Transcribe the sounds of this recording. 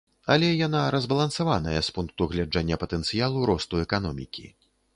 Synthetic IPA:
ɐlʲɛjanaɾɐzbɐlˠɐnsavanɐjɛspunk̚t̪uɣlʲad͡ʐanʲːɐpɐt̪ɛnt̪sɨjalˠuɾɔst̪uɛkanɔmʲḭkʲḭ

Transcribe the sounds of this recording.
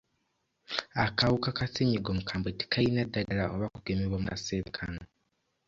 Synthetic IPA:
akawukakaseɲiɡomukʰaːmbweti̥kajinadaɡalaʔoβakuɡ̥emeβwamuaseɾekʰano

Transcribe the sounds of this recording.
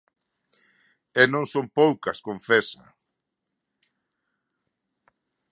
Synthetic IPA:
ɛnõŋsompowkɐskoɱfɛsa̰

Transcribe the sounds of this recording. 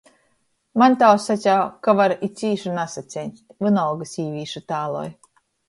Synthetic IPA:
mant̪awsatʲakavaɾisʲiːʃunasat̪sʲenʲtt̪ʲvɨnɔwɡɨsiːvʲiːʃut̪aːlˠɔ̰j

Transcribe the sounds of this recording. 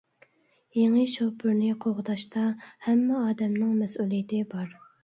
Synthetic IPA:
jeŋɨʃopʰʊɾnɪqʰoʁʊd̪ɑʃt̪ɑhɛmːɛɑːd̪ɛmnɪŋmɛsulˠijɪt̪ɪbɑɾ

